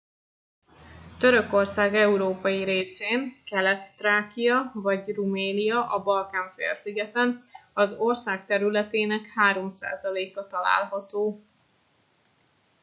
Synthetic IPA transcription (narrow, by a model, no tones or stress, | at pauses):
t̪ø̞ɾøko̞rsaːɡɛuɾoːpɒjiɾeːseːnkɛlɛt̪ːraːkijɒvɒɟrumeːnijɒʔɒbɒlkaːɱfḛːlsiɡɛt̪ɛnɒzo̞rsaːk̚t̪ɛɾylɛt̪eːnɛkhaːɾo̞msa̰ːzɒleːkɒt̪ɒla̰ːlɦɒt̪oː